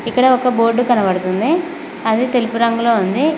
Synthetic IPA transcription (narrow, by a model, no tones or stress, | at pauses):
ikːɐɽɐɔkɐbo̞ːɾɖːukɐnɐbɐɽut̪und̪i | ɐd̪it̪e̞lipuɾɐŋɡuloːund̪i